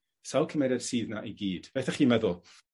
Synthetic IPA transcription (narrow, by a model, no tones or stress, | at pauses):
salˠkʰəmedɛd̥siːðnaʔiɡiːd̥b̥eθɛχiːmɛðʊlˠ